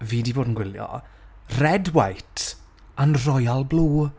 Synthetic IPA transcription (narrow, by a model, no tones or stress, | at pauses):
viːdiboːdən̩ɡwɪljɔ̰rɛdwajtʰ | anrɔjalˠbluː